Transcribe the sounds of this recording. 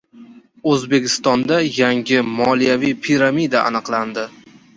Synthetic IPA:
ɵzbe̞kʲɪst̪ɒnd̪ajaŋɡʲɪmɒlijavijpʰiɾamid̪aʔa̰nɨqlˠand̪ɪ

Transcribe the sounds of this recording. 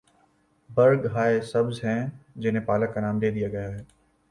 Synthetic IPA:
bɐɾɡɦaːesɐbzɦɛ̃ːd͡ʑɪnẽpaːlakːanaːmd̪eːd̪ijaɡɐjaɦeː

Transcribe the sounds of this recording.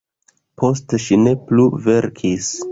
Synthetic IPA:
pʰo̞stʃine̞pluve̞ɾkʰis

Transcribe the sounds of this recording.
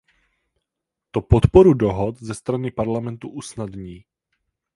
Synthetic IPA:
t̪opɔt̪pɔɾudoɦɔt̪zɛst̪ɾanɪpaɾlamɛnt̪uʔusnad̪ɲiː

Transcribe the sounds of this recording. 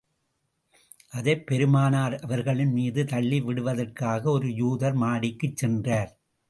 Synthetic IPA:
ʔɐðɐɪpːɛɾɯmaːnaːɾɐʋɐɾɣɐɭɪnmiːðɯt̪ɐɭːiʋɪɽɯʋɐðɐrkaːɣɐɔɾɯjuːðɐɾmaːɽɪkːɯt͡ʃsɛndraːɾ

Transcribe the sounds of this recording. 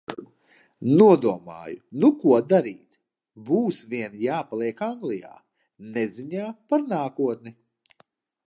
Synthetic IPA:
nuɔd̪uɔma̰ːjunukuɔd̪aɾiːt̪ | buːsvʲiɛnjaːpalˠiɛkaŋɡlˠija̰ː | neziɲaːpaɾnaːkuɔt̪nɛ

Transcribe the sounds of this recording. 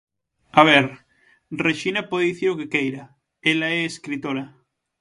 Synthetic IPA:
aβ̞eɾ | reʃinapoðeðiθiɾokekejɾa | elaeːskɾit̪oɾa

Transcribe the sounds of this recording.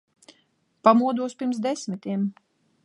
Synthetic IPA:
pamuɔd̪uɔspʲiɾms̬d̪ɛsmit̪iɛm

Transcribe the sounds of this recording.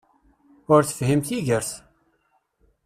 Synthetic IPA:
ʊɾθə̥fhimθiʝəɾθ

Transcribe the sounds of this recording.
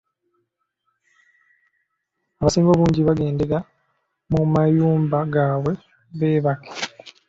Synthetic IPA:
aβasiːmbo̞βuːɲɟiβaɡe̞ːnde̞ɾa | mumajuːmbaɡaːβwe̞ | βe̞ːβakʰḁ

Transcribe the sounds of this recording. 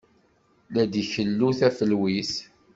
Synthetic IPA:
læd̪içəlːuθæfəlwis

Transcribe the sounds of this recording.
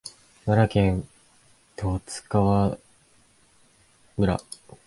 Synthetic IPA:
maɾakẽ̞n | t̪ʰo̞ːt͡sɨ̥kaβa | mɯ̟ɾa̰

